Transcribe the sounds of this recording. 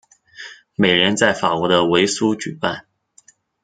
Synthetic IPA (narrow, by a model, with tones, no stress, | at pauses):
me˨˩ɪɻɛ˧˥nt͡sa˥˩ɪfa˨˩kwɔ˧˥d̪ə˧we˧˥ɪsu˥t͡ɕy˨˩pa˥˩n